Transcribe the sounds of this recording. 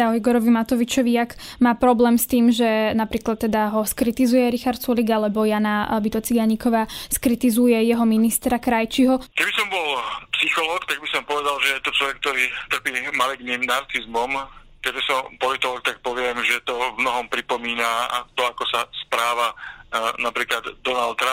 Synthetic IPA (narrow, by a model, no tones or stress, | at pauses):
aɔiɡɔɾɔʋimat̪ɔʋit͡ʃɔʋiakmaːpɾɔblɛːmst̪iːmʒɛnapɾiːklat̪ːɛd̪aɦɔskɾit̪izujɛɾixaɾt̪t͡suliɡalɛbɔjanabit̪ɔt͡siɡaɲikɔʋaːskɾit̪izujɛjɛɦɔminist̪ɾakɾajt͡ʃiɦɔkɛbisɔmbɔlpsixɔlɔːkt̪aɡbisɔmpɔʋɛd̪alʒɛjɛt̪ɔt͡ʃlɔʋɛk̚t̪ɔɾiːt̪r̩piːmaliɡniːmnaɾt͡sizmɔmkɛd͡ʒɛsɔmpɔlit̪ɔlɔːk̚t̪ak̚pɔʋɪɛmʒɛt̪ɔvmnɔɦɔmpɾipɔmiːnat̪ɔakɔsaspɾaːʋanapɾiːklad̪d̪ɔnalt̪̚ːɾa